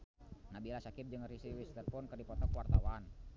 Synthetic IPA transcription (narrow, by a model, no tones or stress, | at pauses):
nabilasakip̚d͡ʒəŋrisiwist̪ɛrfɔnkərdipɔt̪ɔkwart̪awan